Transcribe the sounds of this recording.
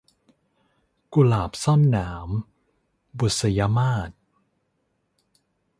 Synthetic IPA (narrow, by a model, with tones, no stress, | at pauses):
ku˧laː˨˩p̚sɔ˥˩˨nːaː˩˦m | bu˨˩t̪̚sa˧ja˧˥maː˥˩t̪̚